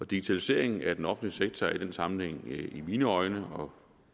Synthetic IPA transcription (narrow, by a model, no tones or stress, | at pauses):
ɒ̽d̥iɡ̥it͡sʰælise̝ɐ̰e̝ŋn̩æd̥enɒ̽fn̩d̥liseɡ̥̚t͡sʰɐid̥ensɑ̈mn̩heŋ̰imiːnəɒ̽ɪnəɒ̽